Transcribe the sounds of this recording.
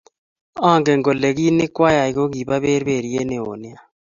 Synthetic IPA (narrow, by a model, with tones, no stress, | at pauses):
aː˦˨ŋɡɛ˨ŋɡɔ˨le˨ɣi˦nɪ˦kwa˦ja˨i˨ko˦ɡi˨ba˦βe˦ɾbe˦˨ɾi˨˦e˦ne˨o̰˨nja˦